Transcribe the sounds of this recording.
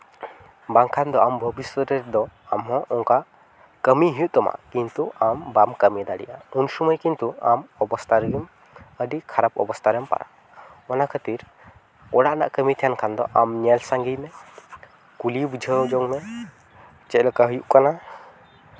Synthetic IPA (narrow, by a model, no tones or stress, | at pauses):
baŋkʰand̪ɔambʱəbiswəɾɛɾd̪ɔamɦɔ̃ʔɔŋka | kəmiɦujuʔt̪ɔma̰ʔkint̪uambamkəmid̪aɽḭjʔaunsuməjkint̪uamɔbɔst̪ʰaɾɛm | əɖikʰaɾapɔ̰bɔst̪ʰaɾɛmpa̰ɾa̰ | ɔnakʰət̪iɾ | ɔɽaʔna̰ʔkəmit̪ʰijankʰand̪ɔ̰ʔamɲɛlsaŋɡijmɛ | kulibud͡ʒʱəd͡ʒɔŋmɛ | t͡ʃɛʔləkaɦujuʔkana